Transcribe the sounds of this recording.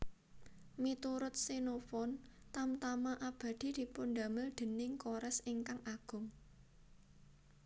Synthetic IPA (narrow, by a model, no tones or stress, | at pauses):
mit̪uɾʊt̪̚sinofɔnt̪amt̪amaʔab̥ä̤d̪̥i̤d̪̥i̤pund̪a̤mɪld̪̥ə̤nɪŋkoɾɛsɪŋkaŋʔaɡ̥ʊ̤ŋ